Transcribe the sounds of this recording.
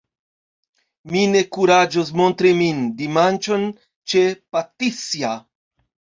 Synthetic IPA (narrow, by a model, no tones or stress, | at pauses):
mine̞kuɾad͡ʒos̬mo̞ntɾimindimant͡ʃo̞n | t͡ʃe̞patisia